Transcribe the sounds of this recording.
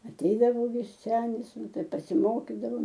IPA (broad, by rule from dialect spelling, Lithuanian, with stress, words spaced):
ɐˈtʲɛɪdɐʋoː ˈʋʲɪs ˈsʲæːnʲɪs ˈnʊ ˈtɐɪ pɐsʲɪˈmoːkʲɪdɐʋoːm